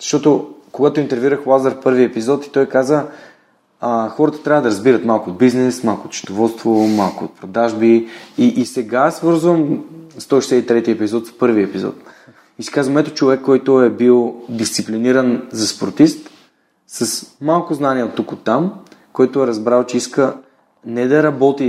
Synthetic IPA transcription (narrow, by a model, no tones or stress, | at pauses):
z̥ɐʃt̪ɔt̪ʊkoɡat̪ʊint̪ɛɾviɾəxlˠazəɾfpɤɾviɛpizɔt̪i̥t̪ɔjkazə | əxɔɾət̪ə̥t̪ɾʲavəd̪ɐɾɐzbiɾət̪malˠkʊod̪̚biznɛsmalˠkoːt̪t͡ʃə̥d̪ovɔt̪st̪vomalˠkoot̪̚pɾod̪aʒbiiʔːsɛɡasvɤɾzvəmst̪ɔiʃɛsɛit̪ɾɛt̪iɛpizɔt̪spɤɾviɛpizɔ̰t̪ | isi̥kazvɐmɛt̪ʊt͡ʃovɛkːɔjt̪ʊɛbilˠd̪ist̪sipliniɾənzɐspoɾt̪ist̪ | sɐsmalˠkʊznaniəot̪ːukot̪ːamkɔjt̪ʊɛɾɐzbɾalˠt͡ʃɛiskə | nɛd̪ɐɾɐbɔt̪i